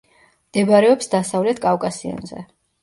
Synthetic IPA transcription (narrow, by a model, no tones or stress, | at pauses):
md̪̥ɛbaɾɛɔpsd̪asavlɛt̪ʰkʼafkʼasia̰nzɛ̰